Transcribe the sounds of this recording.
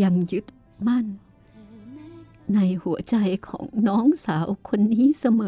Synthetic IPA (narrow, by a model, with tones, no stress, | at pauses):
a˧ŋju˦˥t̪̚ | ma˧˥˩n | na˧jhu˩˦ət͡ɕa˧jkʰɔ̰ː˩˦ŋnɔː˦˥˩ŋsaː˩˦wkʰo˧nːiː˦˥˨sa˧mɤː˨